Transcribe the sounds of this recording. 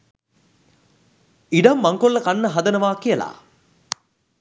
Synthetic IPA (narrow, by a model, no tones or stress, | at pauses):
iɖɐmːaŋkolːəkanːəɦɐd̪ənəʋaːkijəla̰ː